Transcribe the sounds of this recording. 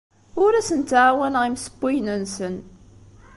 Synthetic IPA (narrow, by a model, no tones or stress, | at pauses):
ʊɾæsənt̪ʕawænʁimsə̥bːijnənsən